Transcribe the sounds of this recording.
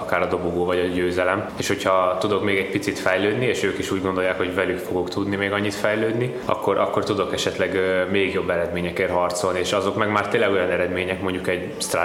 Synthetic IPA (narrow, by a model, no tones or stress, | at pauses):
ɒkaːɾɒd̪o̞boɡoːvɒɟɒɟøːzɛlɛmeːʃho̞cʰɒt̪ud̪o̞kmeːɡɛɟpit̪sit̪fɛjløːd̪nieːʃøːkiʃuːɟɡo̞nd̪o̞jaːkho̞ɟvɛlykfo̞ɡokt̪ud̪nimeːɡɒɲːit̪fɛjløːd̪ni | ɒ̰kːo̞ɾʔɒkːo̞rt̪ud̪o̞kɛʃɛt̪lɛɡmeːɡjo̞bːɛɾɛd̪meːɲɛkeːɾrɦɒrt̪so̞lnieːʃɒzo̞kmɛɡmaːrt̪eːnlɛɡo̞jɒnɛɾɛd̪meːɲɛkmo̞ɲɟukɛɟ | st̪ra̰